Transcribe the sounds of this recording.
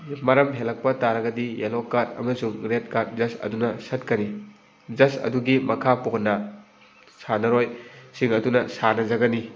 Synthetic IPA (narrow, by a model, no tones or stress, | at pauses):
mɐɾɐmɦelɐk̚pɐtaɾɐɡɐdijelokatɐ̰mɐsuŋɡɾet̚kat̚zɐsɐ̰dunɐsɐt̚kɐni | zɐsɐ̰duɡimɐkʰaponɐ | sanɐɾojsiŋɐdunɐsanɐzɐɡɐni